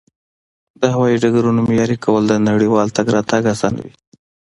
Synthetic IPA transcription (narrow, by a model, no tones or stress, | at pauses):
d̪əhawɑjiɖaɡaɾunomjɑɾikawəld̪ənaɽiwɑlt̪aɡɾɑt̪aɡasɑnwḭ